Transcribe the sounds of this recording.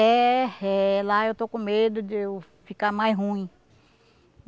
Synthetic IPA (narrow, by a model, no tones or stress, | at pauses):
ɛɛlaewt̪okõmed̪ʊd͡ʒɪ | fikamajzɦũĩ